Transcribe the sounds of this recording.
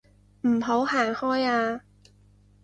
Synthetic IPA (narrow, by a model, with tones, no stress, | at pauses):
m̩˨˩ɦo˨˥whaː˨˩ŋhɔː˥jaː˧